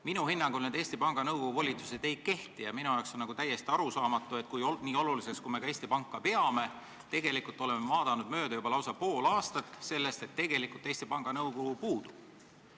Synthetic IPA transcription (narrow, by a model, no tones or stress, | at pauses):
minuɦinːɑŋɡulned̪e̞ːst̪ipɑŋɡ̥ɑnɤwkokuvo̞lʲit̪su̥se̞d̪̥e̞jke̞ht̪ijɑminujɑoksonːɑɡut̪æjːe̞st̪iɑɾusɑːmɑt̪ːˑuet̪̚ˑkujoniːo̞luliseskume̞kɑe̞ːst̪ipɑŋkˑːɑpe̞ɑme̞ | t̪e̞ɡe̞likult̪ːˑo̞lemevɑːd̪̥ɑnud̪̚mø̞ːd̪̥ɑjubɑlɑwsɑpo̞ːlɑːst̪ɑt̪ːˑse̞lːe̞st̪e̞t̪ːe̞ɡ̥e̞likult̪ːˑe̞ːsʲt̪ipɑŋɡ̥ɑnɤwɡoɡupuːd̪̥ub̥